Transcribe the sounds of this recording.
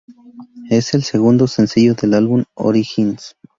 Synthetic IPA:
eselseɣund̪osensiʝoðelalβuno̰ɾixins

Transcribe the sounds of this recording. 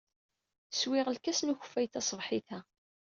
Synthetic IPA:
swɪʁəlkæsnuçfːæjθæsˤvħiθæ

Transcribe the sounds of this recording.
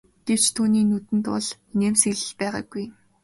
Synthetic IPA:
ɡ̥ew̥t͡ɕt̪ʰuːniːnut̪ɘ̆nt̪ʊ̰ɮ | neːmsiɮɘ̆ɮpæːʁa̰ːɡuj

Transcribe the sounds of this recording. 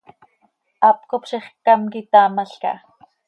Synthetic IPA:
ap̚kopʃiχkamkit̪aːmaɬka̰

